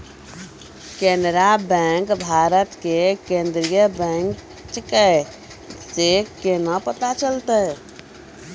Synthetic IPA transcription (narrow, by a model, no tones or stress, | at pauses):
kenəɾabɛ̃ŋkbʱaɾət̪kekend̪ɾijəbɛ̃ŋk | t͡ʃikə | sekenəpət̪at͡ʃəlt̪ə